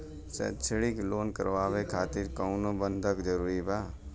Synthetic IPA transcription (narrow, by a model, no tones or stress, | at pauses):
t͡ʃɛ̰ːt͡ʃʰeɽikloːnkə̰ɾʋaːʋekʰaːt̪ɪɾkəʊnobənd̪ʱəkd͡ʒəɾuːɾibaː